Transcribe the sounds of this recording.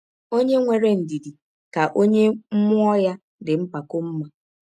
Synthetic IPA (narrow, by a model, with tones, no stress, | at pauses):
o˦ɲe˦ŋʷe˨ɾe˦n̩˨di˨di˨ | ka˨ʔo˦ɲe˦m̩˦mʊ˦ɔ˦ja˦ | dɪ˨m̩˦pa˨kʊ˦m̩˦ma˨